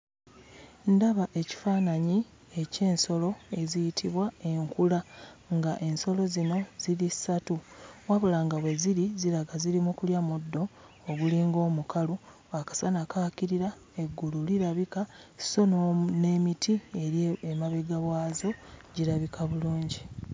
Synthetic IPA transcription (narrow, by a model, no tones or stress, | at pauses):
ndaβaʔe̞ci̥faːnaɲi | e̞ce̞ːnso̞lo̞e̞zijitʰiβwae̞ŋkulaŋɡaʔe̞nso̞lo̞zino̞z̥ilisatuwaβulaːŋɡawe̞ziɾiziɾaɡaziɾimukuljamudːo̞ː | ɡuliːŋɡo̞ːmukalu | akḁsanakakiɾiɾa | e̞ɡːululiɾaβikḁso̞nne̞ːmitʰieɾemaβiɡaβwaːzo̞ɟiɾaβikʰaβuluːɲɟi